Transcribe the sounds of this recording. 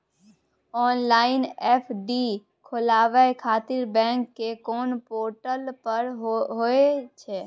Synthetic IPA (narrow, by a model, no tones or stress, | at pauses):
ɔːnlaːɪnɛːpʰɖi | kʰʊlaːʋakʰaːt̪ɪɾbɛ̃ːŋkːekoːnpoːɾʈəlpəɾɦɦoet͡ʃʰeː